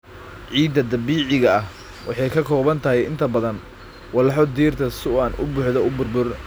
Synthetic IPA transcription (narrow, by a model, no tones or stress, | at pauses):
ʕiːd̪ɐd̪ɐbiːʕɪɣɐɐh | wʔɑħɑjkʰɐkʰɔːβɐnt̪ʰɐɦɛɪnt̪ʰɐbɐðɐn | wɑlɑħɔd̪iːrt̪ʰɐsʊʔanʔʊ̰bʊħðɔʊbʊrbʊr